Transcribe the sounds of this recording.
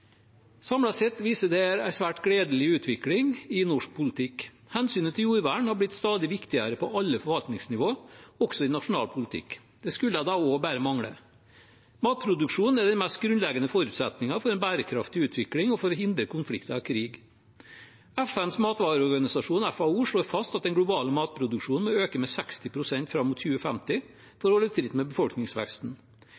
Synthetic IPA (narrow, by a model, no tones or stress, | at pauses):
sɑmɽɑsɛt̪ːʋiːsəd̪ɛæɾæ̰ɪsʋæːʈɡɽeːd̪əlɪʉːt̪ʰʋɪklɪŋɪnɔʂk̚pʰʊlɪt̪ʰɪk | hɛnsyːnət̪ʰɪljuːɾʋæːɳhɑblɪt̪st̪ɑːd̪ɪʋɪkt̪ɪəɾəpʰɔʔɑlːəfɔɾʋɑlt̪nɪŋsnɪʋoːɔɡ̥sɔɪnɑʂʊnɑ̰ːlpʰʊlɪt̪ʰɪ̰kː | d̪̥ɛskʉləəd̪ɑːoːbæːɾəmɑŋɽə̰ | mɑːt̪̚pʰɾʊd̪ʉkʂuːnn̩ɛd̪ɛnmɛst̪̚ɡɾʉnlɛɡːənəfɔɾʉːt̪sɛt̪nɪŋɑfɔɾɛnbæːɾəkʰɾɑft̪ɪʉːt̪ʰʋɪklɪŋɔfɔɾɔɦɪnd̪ɾəkʰʊnflɪkt̪ɑɑkʰɾiːɡ | ɛfɛnsmɑːt̪ʋɑːɾəɔɾɡɑnɪsɑʂuːnɛfɑuːʂɭoːɾfɑst̪ɑt̪̚d̪ɛnɡlʊbɑːləmɑːt̪̚pʰɾʊd̪ʉkʂuːnmɔøːkəmɛsɛkst̪ɪpʰɾʊsɛnt̪fɾɑmːʊːt̪ɕʉːʋəfɛmt̪ɪ | fɔɾɔlːət̪ʰɾɪd̪mɛbəfɔlknɪŋsʋɛ̰kst̪n̩